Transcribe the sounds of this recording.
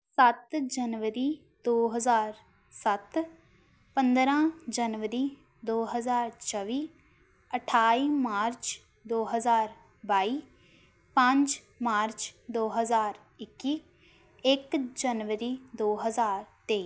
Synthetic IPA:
sət̪d͡ʒənʋəɾiː | d̪oːɦəzaːɾ | sət̪ | pə̃nd̪ɾãːd͡ʒənʋəɾiː | d̪oːɦəzaːɾt͡ʃʰəʋiː | əʈʰaːiːmaːɾt͡ʃ | d̪oːɦəzaːɾ | baːiː | pə̃ɲd͡ʒ | maːɾt͡ʃd̪oːɦəzaːɾ | ɪkːiː | ɪkd͡ʒənʋəɾiːd̪oːɦəzaːɾt̪eːiː

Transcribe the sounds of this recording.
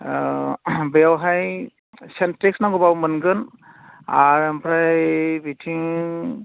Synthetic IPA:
bejawɦaj | sentɾiksnaɡɔbawmənɡɯn | a̰ɹɛmpʰɾajbitʰiŋ

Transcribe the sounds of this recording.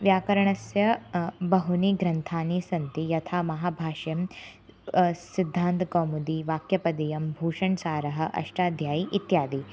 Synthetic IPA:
ʋjaːkɐɾɐɳɐsjɐbɐɦuniɡɾɐnt̪ʰaːnisɐnt̪ijɐt̪ʰaːmɐɦaːbʱaːʃjɐm | sid̪ʱːaːnt̪ɡoːmud̪iʋaːkjɐpɐd̪ijɐmbʱuːʂɐɳsaːɾɐɦɐ̆ʔɐ̰ʂʈaːd̪ʱjaːjiʔit̪jaːd̪i

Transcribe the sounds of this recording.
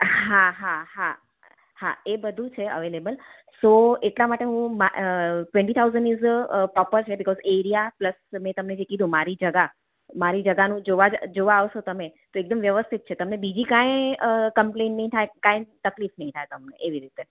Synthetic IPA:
ɦãɦaha | ha̰ebəd̪ʱũt͡ʃʰeə̰ʋelebəl | soeʈlamaʈeɦũmaʈwɛ̃ɳʈit̪ʰawzə̃ɳɖizpɾɔpəɾt͡ʃʰebɪkɔzeɾijapləsmɛ̃t̪əmned͡ʒekid̪ʱũmaɾid͡ʒəɡa | maɾid͡ʒəɡanũd͡ʒoʋad͡ʒd͡ʒoʋaːʋʃot̪əmet̪oek̚d̪əmʋjəʋəst̪ʰit̪̚t͡ʃʰet̪əmnebid͡ʒikãjkə̃mplẽnʈːəɦĩt̪ʰaekãjt̪əklifnəɦĩt̪ʰaet̪əmneʔeʋiɾit̪e

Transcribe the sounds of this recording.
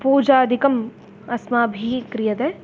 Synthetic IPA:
puːd͡ʒaːd̪ʱikɐm | ɐsmaːbʱikɾijɐt̪ɛ̃ː

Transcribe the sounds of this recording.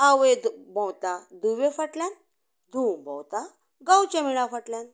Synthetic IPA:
awʋẽd̪bə̃wt̪ad̪uʋefaʈljan | d̪ʱumbã̰wt̪a | ɡãwt͡ɕãmiɽ̃afəʈljãn

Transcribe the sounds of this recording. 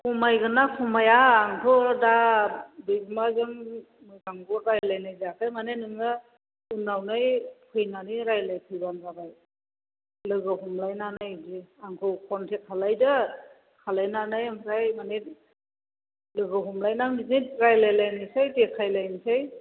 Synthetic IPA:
kʰumajɡɯnakʰumajaːŋkʰɯdabɯɡmazɯŋ | mɯjkaŋɡɔɾajlajnajziakʰajmanenɯŋɯ | ɯnːawnajpʰɯjnaniɾajlajpʰɯjbanzabaj | lɯɡɯhumlajnanajzeaŋkʰɯwkʰɔntʰet̚kʰalajdɯ | kʰalajnanajmɾajmanet̚ | lɯɡɯɦumlajnaminitɾajlajlajnɯjsajtekʰajlajnisaj

